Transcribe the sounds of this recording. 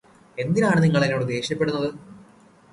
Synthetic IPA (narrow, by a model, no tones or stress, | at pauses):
e̞nd̪inaːɳɨniŋːɐɭinoːɽɨd̪e̞ːɕɐpːe̞ɽunːɐðɨ